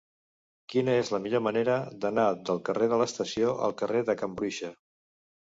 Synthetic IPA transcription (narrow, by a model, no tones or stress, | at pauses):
kinəezləmiʎoməneɾəd̪ənad̪əlˠkəreðələst̪əsioʔə̰lˠkəreðəkəmbɾuʃə